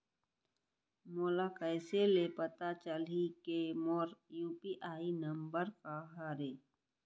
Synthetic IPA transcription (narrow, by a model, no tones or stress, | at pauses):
moːlakəːselepət̪at͡ʃəlikemoːɾjuːpiʔaːinəmbəɾkaɦaɾeː